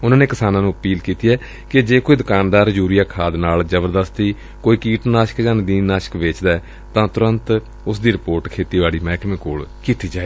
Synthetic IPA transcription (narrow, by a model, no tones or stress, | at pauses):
ʊnãːneːkɪsaːnãːnũːəpiːlkiːt̪iːɛː | kɪd͡ʒeːkoːiːd̪ʊkaːnd̪aːɾd͡ʒuːɾijaːkʰaːd̪naːld͡ʒəbəɾd̪əst̪iː | koːiːkiːʈnaːʃə̥kd͡ʒãːnd̪iːnaːʃə̥kʋeːt͡ʃd̪aː | t̪ãːt̪ʊɾə̃nt̪ | ʊsd̪iːɾɪpoːɾʈkʰeːt̪iːʋaːɽiːmɛːkmẽːkoːɭkiːt̪iːd͡ʒaːeː